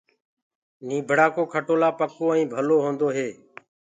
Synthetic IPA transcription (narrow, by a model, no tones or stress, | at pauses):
nĩːbʱəɽaːkoːkʰəʈoːlaːpəkoːĩːbʱəloːɦõːnd̪oːɦeː